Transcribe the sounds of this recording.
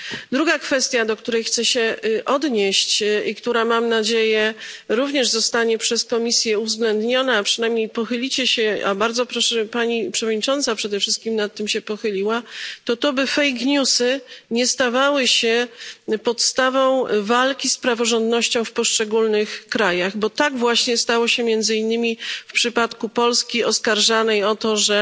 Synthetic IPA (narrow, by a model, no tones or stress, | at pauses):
d̪ɾuɡakfɛst̪ʲjad̪ɔkt̪uɾɛjxt̪sɛɕɛʔɔd̪ɲeɕt͡ɕikt̪uɾamamnad͡ʑejɛɾuvɲɛʐzɔst̪aɲɛpʂɛskɔmʲisʲjɛuvzɡlɛnd̪ɲɔnaːpʂɘnajmɲejpɔxɘlʲit͡ɕɛɕɛa̰baɾd̪zɔpɾɔʂɛpaɲipʂɛvɔd̪ɲit͡ʂɔnt̪sapʂɛd̪ɛfʂɘst̪kʲimnat̪ːɘmɕɛpɔxɘlʲiwat̪ɔt̪ɔbɘfɛjkɲusɘɲɛst̪avawɘɕɛpɔt̪st̪avɔ̃w̃valkʲispɾavɔʐɔnd̪nɔɕt͡ɕɔ̃w̃fpɔʂt͡ʂɛɡulnɘxkɾajaɣbɔt̪aɡvwaɕɲɛst̪awɔɕɛmʲjɛnd̪zɘinːɘmʲifpʂɘpat̪kupɔlskʲiɔskaɾʐanɛjɔt̪ɔʐɛ